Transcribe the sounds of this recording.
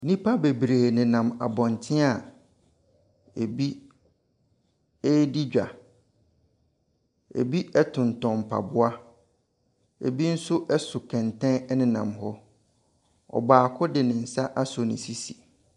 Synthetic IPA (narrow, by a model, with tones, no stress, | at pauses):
nĩ˦pʰa˦be˨bɾeː˨nɪ̃˨nã˨ma̰˨bɔ̃˨ntʰɪ̃˦a˨ | e˨bi˦ | e˦di˦d͡ʑᶣa˨ | ḛ˨bi˦ɛ˦tʰʊ̃˨n˨tɔ̃˨m̩˨pʰa̰˨bʊ˦a˦ | ḛ˨bi˦n̩˦sʊ˦ʔɛ˦sʊ˨kʰɛ̃˨ntʰɛ̃˦nɛ˦nɪ̃˨nã̰˨mhɔ˦ | ɔ̰˨baː˨kʰʊ˦dɪ˨nɪ̃˨n̩˨sa˦ʔa˦sʊ˨nɪ̃˨si˦si˨